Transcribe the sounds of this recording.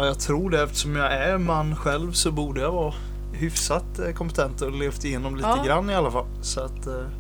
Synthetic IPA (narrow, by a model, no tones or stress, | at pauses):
jɑɡt̪ʰɾuːɖɛɛft̪ə̥ʂɔmjɑæɾmanːɧɛlvsɔbuːɖəjavɑː | hʏfsat̪kʰɔmpət̪ʰɛnt̪ɔleːft̪ɪjeːnɔmliːt̪əɡɾanːɪalːafalːsɔat̪